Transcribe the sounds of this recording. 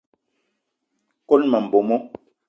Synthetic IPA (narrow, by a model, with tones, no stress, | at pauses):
ko˦lma˨m̩˨bo˨mɔ˦